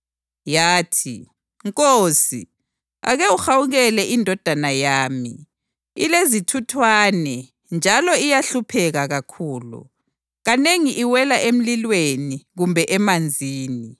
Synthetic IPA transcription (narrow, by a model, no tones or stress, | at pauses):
jaːtʰḭ | ŋkʼoːsi | a̰ɣɛuxawuɣɛlɛʔindʱɔd̥ʱanajaːmḭ | ilezitʰutʰwaːnɛ | nd͡ʒʱalɔijaɬupʰɛɣaɣakʰuːlṵ | ɣaneŋiʔiwɛlaʔem̩lilweniɣumbʱɛʔɛmand͡zʱiːni